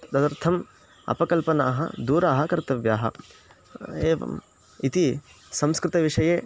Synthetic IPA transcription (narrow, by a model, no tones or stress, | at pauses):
d̪ɐt̪ɐɾt̪ʰɐm | ɐ̰pɐkɐlpɐnaːɦɐ̰d̪uːɾaːɦɐkɐɾt̪ɐʋjaːɦɐ̰ | eːʋɐ̰m | it̪i | sɐ̃mskɾɪt̪ɐʋiʂɐjeː